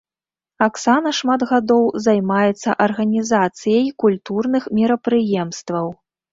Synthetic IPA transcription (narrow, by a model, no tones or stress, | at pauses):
aksanɐʂmad̪ɣad̪ɔwzajmajɛt̪sːɐ̰ʔɐrɣɐnʲizat̪sɨjɐjkulʲt̪urnɨxmʲiɾɐpɾɨjɛmst̪vɐw